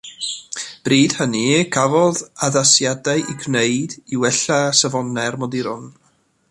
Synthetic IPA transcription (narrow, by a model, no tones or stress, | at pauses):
b̥riːd̥həniɡʰavɔðaðasjadaɨʔiɡneɨd̥iwɛɬasɛvɔnɛrmɔdiɾʊn